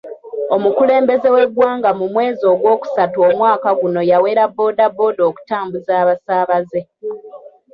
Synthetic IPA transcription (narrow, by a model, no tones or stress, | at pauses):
o̞mukule̞ːmbe̞ze̞we̞ɡwaːŋɡamumwe̞ːzio̞ɡwo̞ːku̥satuomwaːkaɡuno̞jawe̞ːɾabːo̞ːdabːo̞ːdo̞ːku̥taːmbuzaːβasaːβaze